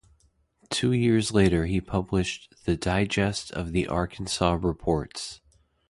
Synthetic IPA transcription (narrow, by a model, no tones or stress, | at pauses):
tʰʉjɪɹzleɪɾə˞ipʰʌblɨʃðɨdaɪd͡ʒɛstʰʌ̰vðiʔɑ̰ɹkʰn̩sɑɹɨpʰɔɹts